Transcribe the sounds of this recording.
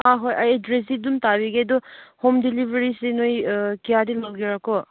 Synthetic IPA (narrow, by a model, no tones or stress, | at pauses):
aɦojajedɾes̬idumtabiɡedɔhomdilibʱeɾisenojkijadilawɡiɾakɔ